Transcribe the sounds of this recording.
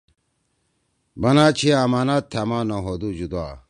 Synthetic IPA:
bɐnaːt͡ɕʰiamaːnaːt̪ʰamaːnoɦod̪ud͡ʑud̪aː

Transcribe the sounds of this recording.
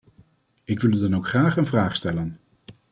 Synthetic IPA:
ɪkʋɪlˠydɑnowkχraːχənvraːχstɛlən

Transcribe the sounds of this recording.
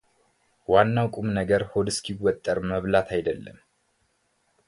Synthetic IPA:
wanːawkʼumnəɡəɾhod̪ɨskʰiwːɔt̪ʼːəɾməβlat̪ʰajd̪əlːə̰m

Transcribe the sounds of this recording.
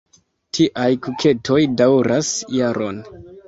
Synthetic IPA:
tʰiʔajkukʰe̞tʰo̞jdawɾasjaɾo̞̰n

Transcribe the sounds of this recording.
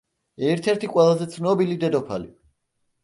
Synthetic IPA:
ɛɾt̪ʰɛɾt̪ʰiqʼwɛlˠazɛt̪sʰnɔbilid̪ɛd̪ɔpʰali

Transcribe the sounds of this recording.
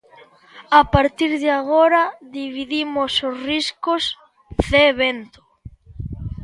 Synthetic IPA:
apaɾt̪iɾðɪaɣoɾɐðiβiðimososriskʊs | ðeːβent̪ʊ̥

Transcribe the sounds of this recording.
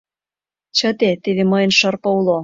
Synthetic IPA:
t͡ɕə̆t̪et̪eβeməjə̆nʃɤ̆rpɤ̆ulo

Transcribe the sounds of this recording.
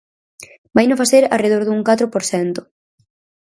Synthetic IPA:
bajnõfaseɾa̰reð̞oɾðuŋkat̪ɾʊpoɾθɛnt̪ʊ̥

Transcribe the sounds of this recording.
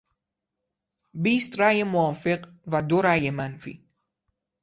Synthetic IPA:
biːst̪ɾajəmwafɪq | vad̪oɾajəmanfḭ

